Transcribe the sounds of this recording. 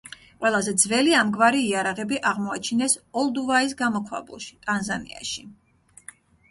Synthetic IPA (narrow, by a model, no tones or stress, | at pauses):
qʼwɛlˠazɛd̪zvɛliamɡvaɾiːaɾaʁɛbiʔaʁmɔat͡ʃʰinɛsɔlˠd̪uvais̬ɡamɔkʰwa̰bṵlˠʃi̥t̪ʼanzanḭa̰ʃi